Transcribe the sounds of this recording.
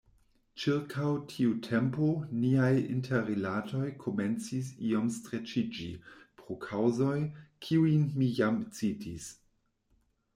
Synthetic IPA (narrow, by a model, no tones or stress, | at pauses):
t͡ʃiɾkʰawtʰiutʰe̞mponiajḭntʰeɾilatʰo̞jkʰo̞me̞nt͡sis̬io̞mstɾet͡ʃid͡ʒḭpɾokʰawzo̞jkʰiujnmijamt͡sitʰis